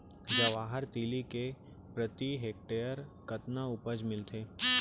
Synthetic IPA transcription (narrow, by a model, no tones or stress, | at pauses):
d͡ʒɐʋaːɦəɾt̪iːlike | pɾət̪iɦeːk̚ʈeːjəɾkɐt̪naʊpəd͡ʒmɪlt̪ʰeː